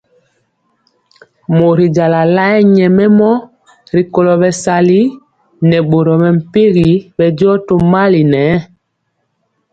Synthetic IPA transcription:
mo˨ɾi˨d͡ʒa˨la˨la˦ɛ˦ɲɛ˨mɛ˦mɔ˦ | ɾi˨ko˨lɔ˨ɓɛ˨sa˨li˦ | nɛ˨ɓo˨ɾɔ˨mɛ˨m̩˨pe˦ɣi˨˦ɓɛ˨d͡ʒɔ˦to˨ma˦li˨nɛ˨˦

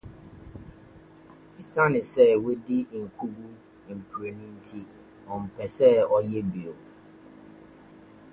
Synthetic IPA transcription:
i˨sa˦nɪ̃˨sɛ˦we˦di˦ŋ̩˨kʰu˦bu˦ | m̩˨pʰɾe˨nũ˦n̩˦tʰi˦ | ɔ˨m̩˨pʰɛ˨sɛ˦ɔ˨jɛ˦bi˨o˨

